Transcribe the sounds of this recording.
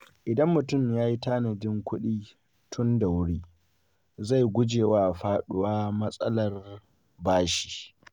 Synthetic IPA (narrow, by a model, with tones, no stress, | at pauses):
ʔɪ˨dɐ˦mːʊ˨tʊ˦˨mjaː˦ji˦taː˦nɐ˨dɪ˦ŋkʷʊ˦ɗiː˦ | tʰʊ˦nda˨wʊ˦ɽiː˦ | za˦˨jɡʷʊ˦d͡ʒeː˨waː˦ʔɸaː˦ɗʊ˦waː˦mɐ˦sʼɐ˦lɐ˨r | baː˦ʃi̥ː˨